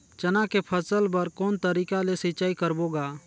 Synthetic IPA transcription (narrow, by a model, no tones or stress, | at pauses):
t͡ʃɐnakepʰəsəlbəɾkoːnt̪əɾiːkalesɪt͡ʃaːikəɾboːɡaː